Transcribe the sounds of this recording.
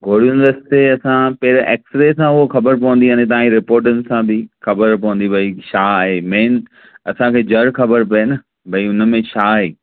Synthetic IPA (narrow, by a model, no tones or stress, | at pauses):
ɡʱoːɽijũndəsɪ̥t̪eɐsãpeːɾʔḛːksɾesãʊɦoxɐbəɾpɐʋə̃nd̪iɦãːnẽt̪̬ɐãɾɪpoːɾʈ̬ənɪ̆sãbɪxɐbəɾpɐʋə̃nd̪ibʱɐiʃaːɦeːmeːn | ɐsãkʰeːd͡ʑɐɾxɐbəɾpɐənə | bʱɐiʊnə̆mẽʃʰaːɦeː